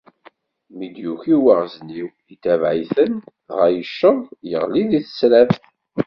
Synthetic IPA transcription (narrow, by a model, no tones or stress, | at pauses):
mid̪juçiwəʁzniw | it̪ːævʕiθən | ʁæjəʃːəðˤjə̰ʁliðiθə̥slæfθ